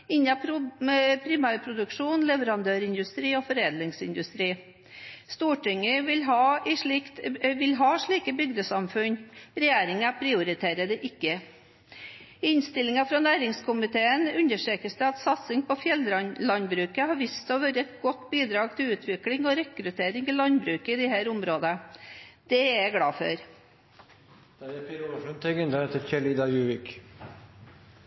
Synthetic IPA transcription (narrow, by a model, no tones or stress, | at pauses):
ɪnːɑpʊpʰɾɪmæːɾpʰɾʊd̪ʉkʂuːnlɛʋəɾɑnd̪øːɾɪnd̪ʉst̪ɾiːɔfɔɾeːd̪lɪŋsɪnd̪ʉst̪ɾiː | st̪uːʈʰɪŋəʋɪlɦɑːɪʂɭɪkt̪ʋɪlɦɑːʂɭiːkəbʏɡd̪əsɑmfʉnɾɛjeːɾɪŋæpʰɾɪʊɾɪt̪ʰeːɾəd̪ɛʔɪkːə | ɪnst̪ɪlɪŋɑfɾɑnæːɾɪŋskʰʊmɪt̪ʰeːənʉnəʂʈɾeːkəsd̪ɛɑt̪sɑt̪sɪŋpɔfjɛlɾɑlɑnbɾʉːkəhɑɾʋɪst̪ɔʋøːɾəɛt̪ɡɔt̪biːd̪ɾɑːɡt̪ʰɪlʉːt̪ʰʋɪklɪŋɔɾɛkɾʉt̪ʰeːɾɪŋɪlɑnbɾʉːkəɪd̪ɛhæːɾʊmɾoːd̪əd̪̥ɛɛɡɽɑːfœ̰ɾ | d̪̥æɾɛpʰɪɾuləʂənt̪ʰɛɡɛnəet̪əɾçɛlɪd̪ɑjʉːʋɪk